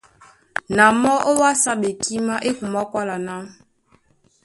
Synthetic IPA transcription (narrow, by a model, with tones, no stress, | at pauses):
na˨mɔ˦ʔo˦wa˦sa˦ɓe˨ki˦ma˦ʔe˦ku˨ma˦kwa˦la˨na˦